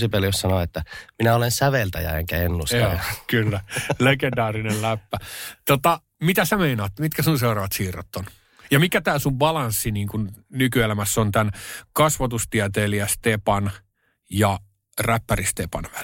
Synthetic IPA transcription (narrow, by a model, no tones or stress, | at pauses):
sipeljossɑnoet̪ːæminæolensæʋelt̪æ̰jæ̰ḛŋkæenːusjoːkylːælekendɑːrinellæpːæt̪ot̪ɑ | mit̪æsæmeinɑːt̪mit̪kæsunseurɑːʋɑt̪siːro̰t̪ːon | jɑmikæt̪æːsuʋbɑlɑnsːiniːŋkunnykyelæmæsːont̪ænkɑsʋɑt̪ust̪iæt̪eːliæst̪epɑn | jɑ | ræpːærist̪epɑ̰nʋæl